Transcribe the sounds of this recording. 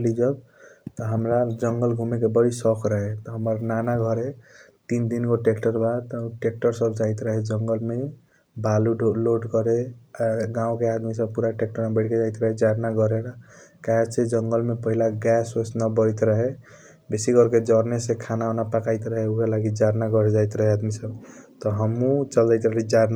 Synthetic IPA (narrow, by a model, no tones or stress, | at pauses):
lid͡ʒəb̚ | t̪ɔɦəmɾad͡ʒəŋɡəlɡʱumekebəɽisɔkʰɾəɦet̪ɔɦəməɾnanaɡʱɔɾe | t̪ind̪inɡoʈekʈəɾbat̪ɔʈek̚ʈəɾsəbʱd͡ʒajt̪ɾəɦed͡ʒəŋɡəlme | baluɖoloɖkɔɾe | ɡãũkead̪misəb̚puɾaʈek̚ʈəɾmebəʈʰked͡ʒajt̪ɾəɦed͡ʒaɾnaɡɔɾeɾakaɦat͡ʃʰed͡ʒəŋɡəlmepəɦilaɡɛsosnabɔɾjt̪ɾəɦe | besiɡʌɾked͡ʒɔɾnesekʰanaɔnapakajt̪ɾəɦeukalaɡid͡ʒaɾnaɡɔɾed͡ʒajt̪ɾəɦead̪misəbt̪ɔɦəmũt͡ʃəld̪ajt̪ɾəɦed͡ʒaɾna